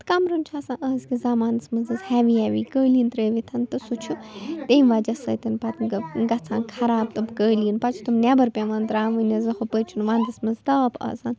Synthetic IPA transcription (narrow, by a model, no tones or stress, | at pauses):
t̪ɨ̥kɐmɾɐnt͡ʃʰaːsãːʔɐːzkʲizaːmaːnɨsmɐnzɐzhɛːʋiɛːʋiːkəːliːnt̪ɾəːʋit̪ʰɐnt̪ɨsut͡ʃʰut̪eːmʋaːd͡ʒɐsə̰ːt̪ɐnpɐt̪ɡɐt͡sʰãːnkʰɐɾaːb̚t̪ɨbkəːliːnpɐt͡ʃʰu̥t̪ʰumnɛbɐɾpʲɛʋɐːnt̪ɾaːʋɨnɐzɐhopəːt͡ʃʰunʋãːnd̪ɨsmɐnzt̪ɐːpɐ̰ːzan